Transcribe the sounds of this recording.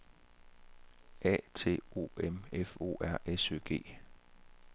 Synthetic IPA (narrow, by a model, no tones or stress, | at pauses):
ɛ̰ːt͡sʰe̝̰ːo̝̰ːemefo̝̰ːæɐ̰ʔesø̰ːɡ̥e̝̰ː